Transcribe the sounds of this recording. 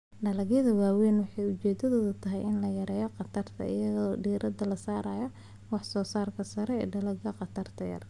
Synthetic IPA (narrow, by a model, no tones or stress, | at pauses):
ɖɐlɐɣjɐðɐwaːwɛːnwɑħɑjʊt͡ʃɛːd̪ɐðɔːðɐt̪ʰɐɦɛjɪnlɐjɐɾɛːjɔqɑt̪ʰɐrt̪ʰɐ̰ʔɪ̰jɐðɔɖiːɾʔɐd̪ɐlɐsaːɾaːjɔ | wɑħsɔːsaːrkʰɐsɐɾɛɛ̰ːɖɐlɐɡɐqɑt̪ʰɐrt̪ʰɐjɐ̰r